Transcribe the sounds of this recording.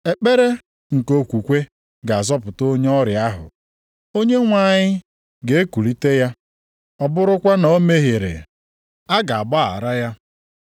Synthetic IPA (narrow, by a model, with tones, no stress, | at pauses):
e˨k͡pe˦ɾe˦ | ŋ̩˨ko˦kʷu˨kʷe˦ | ɡa˨a˨zɔ˦pʊ˨to˦ɲe˦ɔ˦ɾja˦ɦʊ̰˨ | o˦ɲe˦ŋʷa˦˨ɲɪ˦ | ɡe˨e˦ku˨li˦te˦ja˦ | ɔ˨bʊ˦ɾʊ˦kʷa˦no˨˦me˦ɦe˨ɾḛ˨ | a˦ɡa˨a˨ba˦˨a̰˨ɾa˦ja˦